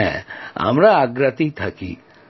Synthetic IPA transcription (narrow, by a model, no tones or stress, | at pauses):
ɛ̰̃a̰mɾaːɡɾɐt̪it̪ʰakḭ